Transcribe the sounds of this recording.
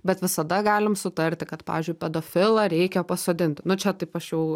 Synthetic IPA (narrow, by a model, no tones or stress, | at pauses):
bʲɛt̪ʋʲɪsɐd̪ɐɡɑːlʲɪmsʊt̪ɐrʲt̪ʲɪkɐt̪pɑ̰ːʋʲɪzʲd͡ʒʲʊɪpʲɛd̪oːfʲɪlˠɐɾʲɛɪkʲɛpɐsoːd̪ʲɪnʲt̪ʲnʊt͡ʃʲɛt̪ɐɪpɐʃjɛʊ